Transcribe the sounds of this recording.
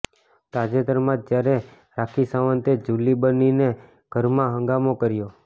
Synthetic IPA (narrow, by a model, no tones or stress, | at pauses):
t̪ad͡ʒet̪əɾmãd̪̚d͡ʒjaɾe | ɾakʰisaʋənt̪ed͡ʒulibənine | ɡ̥ʱəɾmãɦə̃ŋɡamokəɾjo